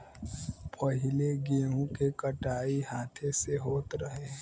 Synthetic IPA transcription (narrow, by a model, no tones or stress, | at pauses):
pəɦɪleɡeːũkekəʈaːiɦaːt̪ʰeseɦoːt̪ɾəɦe